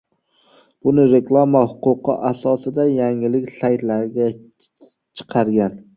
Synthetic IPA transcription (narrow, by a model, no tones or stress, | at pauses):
b̥ʊnɪɾe̞kʰlˠamahʊqʊqʰɨʔasɒsɪd̪ajaŋɪlɪkʲsajt̪laɾɡʲa | t͡ʃʰɨ̥qʰɑɾɡʲan